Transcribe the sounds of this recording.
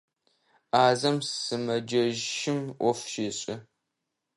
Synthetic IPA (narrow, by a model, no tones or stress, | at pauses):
aːzɐmssɨmɐd͡ʒɐʒʃɪmʔʷɔfʃiːɕʼɪ